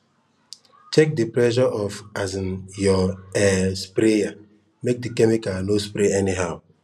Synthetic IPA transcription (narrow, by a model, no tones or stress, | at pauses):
t͡ʃek̚diplɛʒɔʔɔfazĩnjɔɛspɾeja | mek̚dikɛmikanospɾeɛniɦaʊ